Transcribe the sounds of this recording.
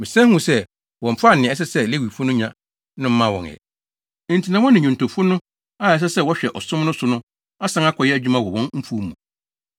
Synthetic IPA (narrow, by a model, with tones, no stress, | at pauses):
mɪ̃˨sɛ̃˦hũ˦sɛ˦ | wɔ̃˨m̩˨fa˦˨nɪ̃˨ɛ˦s̬ɛ˦sɛ˦˨le˦wi˨fʊ˦nʊ̃˦ɲã˦ | nɪ̃˦m̩˦mã˦wɔ̰̃˨nɛ̰̃˨ | n̩˨tʰi˨nã˨˦wɔ̃˦nɪ̃˨ɲʊ̃˨ntʰo˨fʊ˦nʊ̃˦ | a˦˨ɛ˨˦s̬ɛ˦sɛ˦wɔ˦ɕᶣɛ˨ʔɔ˨sʊ̃˦m˦nʊ̃˦sʊ˨nʊ̃˦ | a˦sã˦ŋa˦kʰɔ˨jɛ˦æ˨d͡ʑᶣu˦mã˦wɔ˨wɔ̃˦nm̩˦fu˦mũ˨